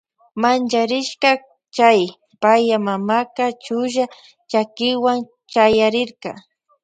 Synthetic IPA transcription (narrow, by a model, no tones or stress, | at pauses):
mant͡ʃaɾɪʃka | t͡ʃaj | pajamamakat͡ʃʊʒa | t͡ʃakɪwaŋ | t͡ʃajaɾɪɾka̰